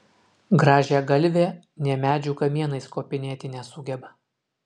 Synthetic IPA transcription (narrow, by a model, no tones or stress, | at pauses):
ɡɾɑːʒʲæːɡɐlʲʋʲeː | nʲɛmʲæːd͡ʒʲuːkɐmʲiɛnɐɪskoːpʲɪnʲeːt̪ʲɪnʲɛsʊɡʲɛbɐ